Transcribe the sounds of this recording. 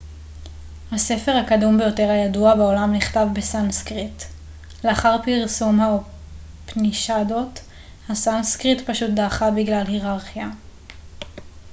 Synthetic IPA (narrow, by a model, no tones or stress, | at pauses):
hase̞fe̞ʁhakadumbe̞jo̞teʁhajaduabao̞lamniχtavbesanskʁit | leaχaʁpiʁsumha | pniʃadot | hasanskʁitpaʃut̚daːχabiɡlalhiʁaʁχja